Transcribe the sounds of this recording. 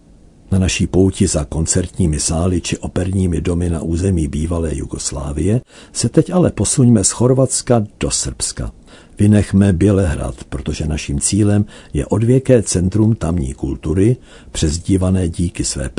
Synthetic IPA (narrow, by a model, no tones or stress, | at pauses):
nanaʃiːpo̞wcɪzako̞nt͡sɛɾt̪ɲiːmɪsaːlɪt͡ʃɪʔo̞pɛɾɲiːmɪdo̞mɪna̰ʔuːzɛmiːbiːvalɛːjṵɡosla̰ːvɪjɛ | sɛt̪ɛcʔalɛpo̞suɲmɛsxo̞ɾvat͡skad̥o̞sr̩pska̰ | vɪnɛxmɛbjɛlɛɦɾa̰t̪pɾot̪o̞ʒɛnaʃiːmt͡siːlɛmjɛ̰ʔo̞dvjɛkɛːt͡sɛnt̪ɾumt̪amɲḭːkult̪uɾɪ | pr̥ɛzɟiːvanɛːɟiːkɪsvɛ̰ːp